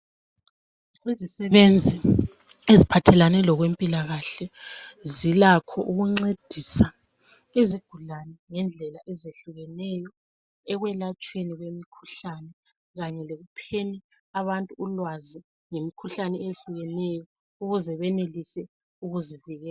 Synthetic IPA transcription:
ɣwizisɛβend͡zʱi | ezipʰatʰɛlanɛlɔɣwempʼilaɣaɬɛzilakʰɔʔuɣuŋ͡ǀed̥ʱisa | eziɡ̥ʱulanɛŋɛnd͡ɮʱɛlaʔɛzeɬuɣɛnɛjɔ | ɛɣwɛlat͡ʃʼweniɣwemikʰu̥ɬanɛ | ɣaɲɛleɣupʰeni | aβantʼuːlwazi | ŋemikʰuɬanɛeɬuɣɛnɛjɔ | uɣuzɛβɛnelisɛ | uɣuziviɣɛːa

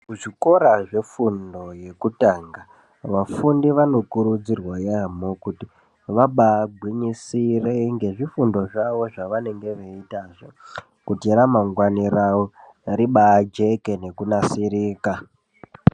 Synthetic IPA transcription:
uʐiko̞ɾaʐe̞fundo̞je̞kutaːŋɡa | ʋafundiʋano̞kuɾud͡zirwajamokuti | ʋaɓaːɡʱwiɲisireŋɡe̞ʐifundo̞ʐaʋo̞ʐaʋane̞ŋɡe̞ʋeitaːʐo | kutiɾamaŋɡwanirawo | ɾiɓad͡ʒe̞kene̞kunasiɾiːka

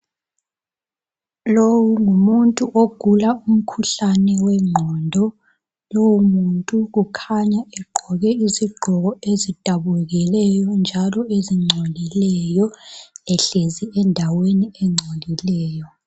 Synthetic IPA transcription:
lowuŋumuntʼuʔoɡ̥ʱulaum̩kʰuɬanɛwɛŋ͡ǀʱɔndʱɔ | lowumuntʼuɣukʰaɲaɛɡ͡ǃʱɔɣɛiziɡ͡ǃʱɔɣɔezid̥ʱaβuɛɣilɛjɔnd͡ʒʱalɔeziŋ͡ǀʱolilɛjɔɛɬeziɛndʱaweniɛŋ͡ǀʱolilɛːjɔ

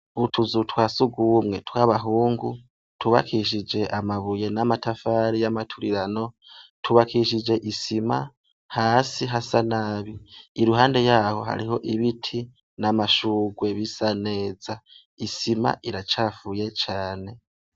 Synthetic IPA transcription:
βutʰuzutwaːsuɡumŋe̞twaβaɦuːŋɡu | tʰuβa̰kʰiʃ̬id͡ʒe̞ʔamaβuje̞namatafaɾijamatʰuɾiɾano̞ | tʰuβakʰiʃ̬id͡ʒe̞ʔisima | haːsiɦasanaːβiːɾuɦaːnde̞jaːho̞ɦa̰ɾiho̞ʔiβitʰi | namaʃuːɡwe̞βisane̞ːza | isima̰ʔiɾat͡ʃaːfuje̞t͡ʃaːne̞

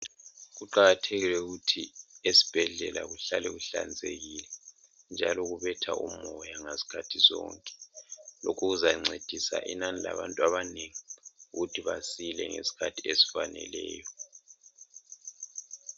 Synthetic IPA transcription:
ɣuǃaɣatʰeɣilwɛuɣutʰiesi̥b̥ʱɛɮɛla̰ɣuɬalɛɣuɬa̰nd͡zʱeɣilɛ | nd͡ʒʱalɔɣuβɛtʰa̰ʔumɔjaŋesi̥kʰatʰizɔ̰ːŋkʼɛ̥lɔkʰuɣuzaŋ͡ǀʱed̥ʱisa̰ʔḭnanila̰βa̰ntʼwaβaneŋiuɣutʰiβasilɛ̰ŋḛsi̥kʰatʰiesi̥fanɛ̰lɛ̰ːjɔ

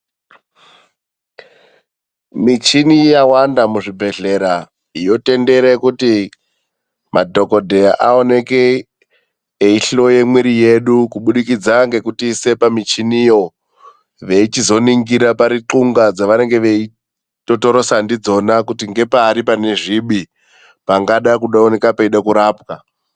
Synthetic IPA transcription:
mit͡ʃinijawandamuʐibʱe̞ɮe̞ɾa | ijo̞te̞nde̞ɾekuti | mʔadʱo̞ko̞dʱe̞aʔao̞ne̞ke | iɬo̞je̞mwiɾije̞ɗukuɓuɗikid͡zaŋɡe̞kutise̞pamit͡ʃinijo̞ | ʋe̞it͡ʃizo̞niŋɡiɾapaɾiǁuŋɡad͡zaʋane̞ŋɡe̞ʋe̞i | to̞to̞ɾo̞sandid͡zo̞nakutiŋɡe̞paːɾipane̞ʐiɓi | paŋɡaɗakuɗaone̞kapeiɗakuɾaːpka

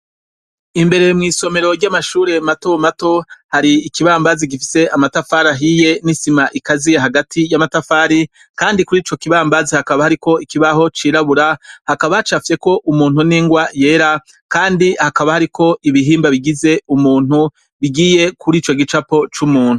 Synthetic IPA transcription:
imbe̞ɾe̞mŋiːso̞me̞ɾo̞ɾɟamaʃuːɾe̞matomato̞haɾiːkiβaːmbaziɡifi̥se̞amatafaːɾaɦije̞nisimaʔikazieɦaɡatʰijamatafaːɾi | kaːndikuɾiːt͡ʃo̞kiβaːmbazihakaβahaɾiko̞ikiβaɦo̞t͡ʃiːɾaβuɾahakaβat͡ʃafje̞ko̞ʔumuːn̥uniːŋɡwaje̞ːɾa | kaːndihakaβahaɾikʰo̞ʔiβiɦiːmbaβiɡize̞umuːn̥hu | βiɡiːje̞kʰuɾiːt͡ʃo̞ɡit͡ʃapo̞t͡ʃumuːn̥hu

